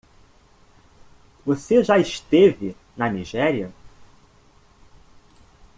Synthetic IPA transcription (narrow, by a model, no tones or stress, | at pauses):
voseʒaɪʃt̪evɪ | nɐniʒɛɾiɐ